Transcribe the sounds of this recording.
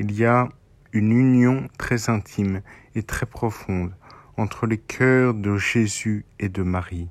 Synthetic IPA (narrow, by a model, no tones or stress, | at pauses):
ilija | ynynjɔ̃t̪χɛzɛ̃t̪ʰim | et̪χɛpχɔfɔ̃d̪ | ɑ̃t̪χəlekʲʰœʁd̪əʒezyed̪əmaʁi